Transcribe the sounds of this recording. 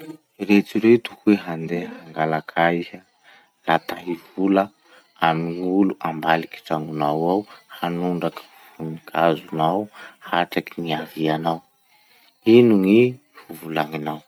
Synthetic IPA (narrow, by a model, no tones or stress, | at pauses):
ɾet͡siɾet̪u̥kueɦand̪ehaŋɡalakʰaiza | lat̪aɦivulə | amiŋuluʔambaliki̥ʈ͡ʂaŋɡunawawhanuɳɖ͡ʐaki̥ | funikʰazunawhaʈ͡ʂakiniavianaw | inuŋi | fuvulaŋinaw